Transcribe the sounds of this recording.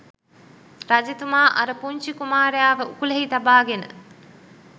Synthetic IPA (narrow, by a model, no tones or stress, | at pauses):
ɾad͡ʒet̪umaːʔɐɾəpuɲt͡ʃikumaːɾejaːʋəukuleɦit̪abaːɡenə̰